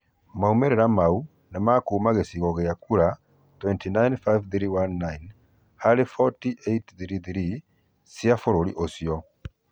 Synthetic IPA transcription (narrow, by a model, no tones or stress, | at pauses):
maumeɾɛɾamau | nemakuːmaɣesiɣɔɣeakuɾa | twɛntʰinajnfajvθiɾiwanːajn | halefɔtiʔetθɾiθiɾi | sjafoɾoɾḭʔosijɔ